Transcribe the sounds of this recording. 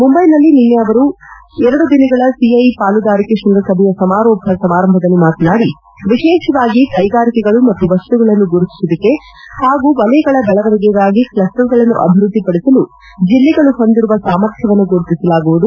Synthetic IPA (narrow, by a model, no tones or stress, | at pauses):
mumbɐjnɐlːininːeɐʋɐɾuɛɾɐɽud̪inɐɡɐɭɐsiɐjpaːlud̪aːɾikeʃunɾɐsɐbʱɛjɐsɐmaːɾɔːbʱɐsɐmaːɾɐmbʱɐd̪ɐnːimaːt̪naːɽi | ʋiʃɛːʃɐʋaːɡikɐjɡaːɾikɛɡɐɭumɐt̪ːuʋɐsʈuɡɐɭɐnːuɡoɾut̪i̥sud̪ɐkːe̞ | haːɡuːʋɐlɛjɡɐɭɐbɛɭɐʋɐɾɛɡɛɡaːɡiklɐsʈɐɾɡɐɭɐnːṵʔɐ̰bʱiɾud̪ʱːipɐɽisɐlu | d͡ʒilːɛɡɐɭuɦond̪iɾuʋɐsaːmɐɾt̪ʰjɐʋɐnːuɡoɾut̪isɐlaːɡuʋud̪u